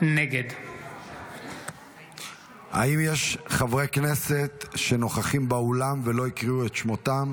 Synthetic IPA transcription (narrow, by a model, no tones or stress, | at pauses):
neɡed̪ | ha̰imjeʃχavʁekne̞se̞t̪ʃe̞no̞χaχimbaolamvelo̞ikʁiuet̪ʃmo̞t̪am